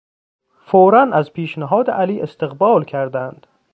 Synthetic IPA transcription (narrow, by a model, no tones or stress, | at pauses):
foːɾænæzpʰiːʃnæɦɒːd̪eʔæliːʔest̪eɣbɒːlkʰæɾd̪ænd̪̥